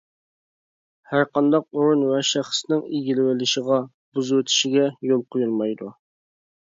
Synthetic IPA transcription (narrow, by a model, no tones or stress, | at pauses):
hæɾqɑnd̪ɑq̚oɾunwɛʃæχsnɪŋiɡʲilɪwɪlɪʃəʁɑ | buzuwɪt̪ʰɪ̥ʃɪɡʲɛjolˠqʰojulˠmɑjd̪u